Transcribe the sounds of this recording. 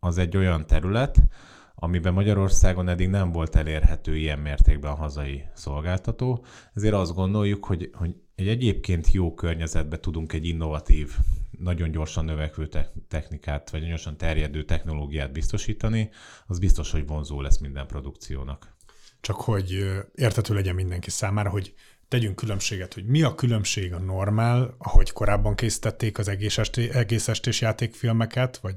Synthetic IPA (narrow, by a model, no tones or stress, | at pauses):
ɒzɛɟːo̞jɒnt̪ɛɾylɛt̪ | ɒmibɛmːɒɟɒɾo̞rsaːɡo̞nɛd̪ːiɡnɛɱvo̞lt̪ɛleːrhɛt̪øːijɛmːeːrt̪eːɡbɛɒɦɒzɒjiso̞lɡaːlt̪ɒt̪oː | ɛzeːɾɒzd̪ɡo̞nd̪o̞jːukho̞ɟho̞ɟ | ɛɟɛɟeːpkeːnt̪ʰjoːkørɲɛzɛd̪̚bɛt̪ud̪uŋkɛɟːinːo̞vɒt̪iːvnɒɟo̞nɟo̞rʃɒnːøvɛkʋøːt̪ɛt̪ɛxnikaːt̪ʋɒɟnɒɟo̞rʃɒnt̪ɛrjɛd̪øːt̪ɛxno̞loːɡijaːd̪̚bist̪o̞ʃiːt̪ɒniɒzbist̪o̞ʃho̞ɟvo̞nzoːlɛ̰smind̪ɛmpro̞d̪uk̚t̪sijo̰ːnɒkt͡ʃɒkho̞ɟeːrt̪hɛt̪øːlɛɟɛmmind̪ɛŋkisaːmaːɾɒɦo̞ɟ | t̪ɛɟyŋkːylø̞mʃeːɡɛt̪ho̞ɟmiɒkylø̞mʃeːɡɒno̞rmaːlɒho̞ɟko̞ɾaːbːɒŋkeːsi̥t̪ɛt̪ːeːkɒzɛɡeːʃɛt̪eɛɡeːsɛʃt̪eːʃjaːt̪eːkfilmɛkɛt̪ʋɒɟ